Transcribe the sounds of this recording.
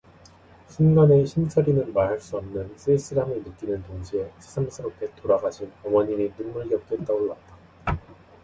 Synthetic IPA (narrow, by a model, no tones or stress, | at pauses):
ɕʰunɡane̞ɕʰimt͡ɕʰʌɾinɯnmaɦaɭs͈uʌmnɯns͈ʰɯes͈ɯɾaminɯk͈inɯntoŋd͡ʑie̞sʰe̥sʰams͈ʰɯɾopkʰe̞toɾaɡaɕʰinʌmʌɲininumːuɭɡjʌk̚t͈wett͈aɡolat̚t͈a